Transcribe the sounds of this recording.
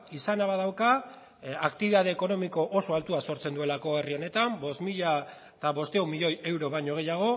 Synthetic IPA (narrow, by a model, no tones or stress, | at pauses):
isanaβað̞awka | akt̪iβiðað̞e̞ːko̞no̞miko̞ʔoso̞alt̪uaso̞ɾt͡se̞nd̪ue̞lako̞e̞rio̞ne̞t̪ambo̞smiʎa | t̪aβo̞st̪eumiʎo̞je̞wɾo̞βajɲo̞ɣ̞e̞jaɣ̞o̞